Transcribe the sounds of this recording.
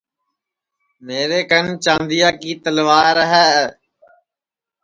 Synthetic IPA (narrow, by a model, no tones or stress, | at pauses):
meːɾeːkənt͡ʃãːnd̪ijaːkiːt̪əlʋaːɾəɦɛː